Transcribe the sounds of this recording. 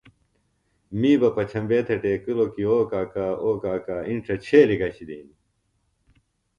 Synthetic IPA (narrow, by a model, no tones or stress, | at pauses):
miːbɐpɐt͡ɕʰɐmbeːt̪ʰeʈeːkilokioːkaːkaːoːkaːkaːiɳʈ͡ʂʰɐt͡ɕʰeːlikɐɕid̪ḭːni